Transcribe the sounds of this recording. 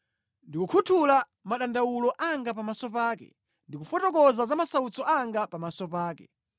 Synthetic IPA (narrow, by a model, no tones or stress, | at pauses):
ndikukʰutʰula | maɗandawulɔʔaŋɡapamasɔpaːkɛ̰ | ndikufɔtɔkɔzazamasaut͡sɔʔaŋɡapamasɔpaːkɛ̰